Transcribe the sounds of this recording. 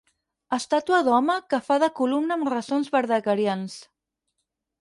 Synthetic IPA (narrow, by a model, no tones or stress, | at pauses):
əst̪at̪uəðɔməkəfaðəkulumnəːmrəsonzβəɾðəkəɾians